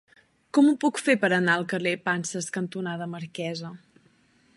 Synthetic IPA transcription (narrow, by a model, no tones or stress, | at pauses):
kɔmupukfepəɾənaəlˠkərepansəskənt̪unaðəməɾkɛzə